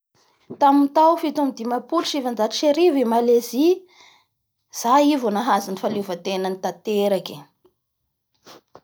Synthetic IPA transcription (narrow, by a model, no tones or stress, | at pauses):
t̪amint̪awfit̪umid̪imapulʃivand͡zat̪iʃeɾivimalezi | z̥aivonaɦazinifalevat̪enənit̪at̪eɾake̥